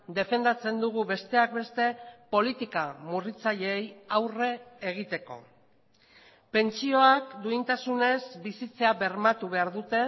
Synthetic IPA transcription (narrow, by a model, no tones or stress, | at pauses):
d̪e̞fe̞nd̪at͡se̞nd̪uɣ̞uβe̞st̪e̞ak̚be̞st̪e̞po̞lit̪ikamurit͡saʎe̞jawre̞ːɣ̞it̪e̞ko̞̰ | pe̞nt͡ʃio̞akd̪uint̪asune̞zbisit͡se̞aβe̞ɾmat̪uβ̞e̞aɾðut̪e̞